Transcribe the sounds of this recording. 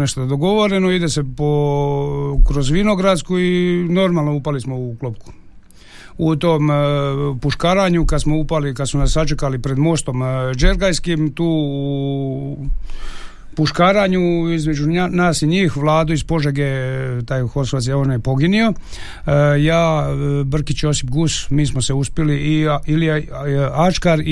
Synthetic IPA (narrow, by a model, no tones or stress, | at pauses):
neʃt̪od̪d̪oɡo̞ʋo̞ɾenoid̪ese̞po | kɾo̞zʋino̞ɡɾad̪skuino̞ɾmaːlˠno̞upalismouklˠop̚ku̥ | ut̪oːm | puʃkaːɾaɲukad̪smo̞upalikad̪smunasːat͡ʃekalipɾe̞d̪mo̞st̪o̞md͡ʒeɾɡajskiːmt̪uː | puʃkaːɾaːɲuizmed͡ʑunaːsiɲiːxʋlˠaːd̪uispo̞ʒeɡet̪aːjxosats̬jaonojepo̞ɡinio̞ | jaːbr̩kit͡ɕosipɡusmiːsmoseuspjeliʔːilije | at͡ʃkaɾ